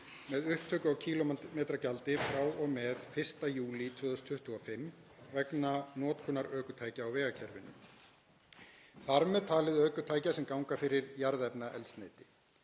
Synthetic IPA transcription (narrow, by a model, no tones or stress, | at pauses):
mɛðʏhpt̪ʰœːkʏawcʰiːlɔmɛːt̪ɾacalt̪ɪfɾawɔɣmɛðfɪr̥st̪ajuːlit̪ʰvœːðʏst̪ʰʏht̪ʰːuafɪm | vɛknanɔːt̪kʰɔnaɾœːkʏt̪ʰaːjcaːwvɛːɣacʰɛɾvɪnːʏ̰ | θaɾmɛðt̪ʰaːlɪðœːkʏt̪ʰaːjcasɛmkawŋkafɪɾɪɾjaɾðɛpnaʔɛ̰lt̪sneːjt̪ɪ̥